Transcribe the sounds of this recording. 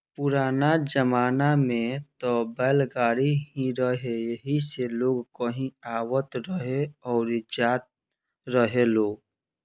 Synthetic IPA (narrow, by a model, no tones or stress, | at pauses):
pʊɾaːnad͡ʒəmaːnamẽt̪obɛːlɡaːɾiɦĩɾəɦejəɦiseloːɡkəɦĩaːwət̪ɾəɦeɔːɾɪd͡ʒaːt̪̚ | ɾəɦeloːɡ